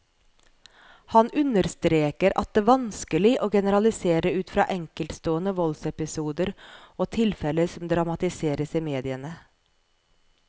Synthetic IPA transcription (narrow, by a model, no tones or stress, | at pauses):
hɑnʉnəɾst̪ɾeːkəɾɑ̰t̪̚d̪eːʋɑnskəlɪʔoːɡɛnəɾɑlɪseːɾəʉːt̪fɾɑ̰ːʔɛŋkəlt̪st̪oːənəʋɔlsɛpɪsuːd̪əɾoːt̪ʰɪlfɛləsɔmd̪ɾɑmɑt̪ɪseːɾəsiːmeːd̪ɪənə